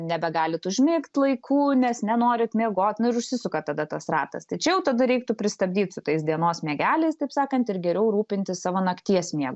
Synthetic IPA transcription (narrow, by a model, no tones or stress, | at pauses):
nʲɛbʲɛɡɑːlʲɪt̪ʊʒʲmʲɪkt̪ʲlˠɐɪkʰuːnʲɛsnʲɛnoːɾʲɪt̪mʲiɛɡoːt̪ʲnʊɪɾʊʃʲsʲɪsʊkɐt̪ɐd̪ɐt̪ɐsrɑːt̪ɐ̰st̪ɐɪt͡ʃʲɛjɛʊt̪ɐd̪ɐɾʲɛɪk̚t̪ʊpʲɾʲɪst̪ɐbʲd̪ʲiːt̪sʊt̪ɐɪsd̪ʲiɛnoːsmʲiɛɡʲæːlʲɛɪst̪ɐɪpsɑːkɐnt̪ɪɾɡʲɛɾʲɛʊɾuːpʲɪnʲt̪ʲɪssɑːʋoːnɐkt̪ʲiɛsmʲiɛɡʊ